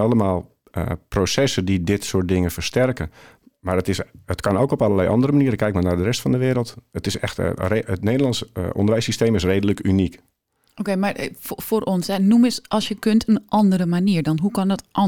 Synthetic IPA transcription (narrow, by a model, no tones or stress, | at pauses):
ɑləmaːlˠ | ə̰prosɛsədidɪtsoːt̚dɪŋəfərstɛrkə | marətɪsətkɑnoːkɔpalˠəlɛjʔɑ̰ndəɾəmaniːəɾəkʰːɛjkmaɹnardərɛstfɔndəʋɪəɾəlˠtətɪsɛ̰xtreətneːdəlˠɑnsʔɔ̰ndərʋɛjsisteːmɪs̬reːdələkʰynik | okemarfforʔɔnsɛnumɪsʔɑlˠsjəkøntʰənʔɑndərəmaniːrdɔnɦukɔndɔtʔɔ